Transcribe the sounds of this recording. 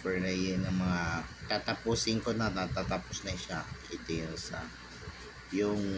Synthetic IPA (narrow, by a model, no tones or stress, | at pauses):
pɛɹnɐjɪnɐŋmɐŋat̪at̪ɐpuːsɪŋkonɐnat̪at̪aposnɐʃaɪt̪ɪjʊnsɐ | jʊŋ